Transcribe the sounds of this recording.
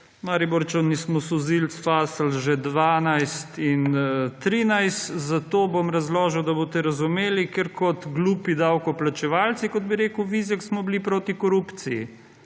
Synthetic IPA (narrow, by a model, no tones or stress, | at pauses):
maːɾibɔɾt͡ʃɔnismɔsɔzilt̪sfaːsəlʒɛd̪ʋaːnajst̪int̪ɾiːnajst̪zat̪oːbomɾɐzloːʒɛwd̪ɐbot̪ɛɾɐzumeːlikeɾkɔt̪ɡluːpid̪awkɔplat͡ʃɛʋaːlt̪sikɔd̪̚biɾeːkəwʋiːzɛksmɔblipɾoːt̪ikɔɾupt̪sijḭ